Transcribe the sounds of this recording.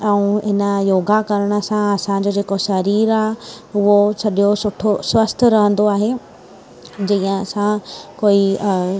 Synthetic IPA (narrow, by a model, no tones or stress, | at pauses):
ɛ̃ũɦɪnə̆joːɡakɐɾəɽ̃sãɐsãd͡ʑoːd͡ʑeːkoʃɐɾiːɾaːɦ | ʊɦosɐɗosʊʈʰoswəst̪ʰəɾɐɦə̃n̆d̪oaːɦe | d͡ʑĩːə̃ɐsãkoːi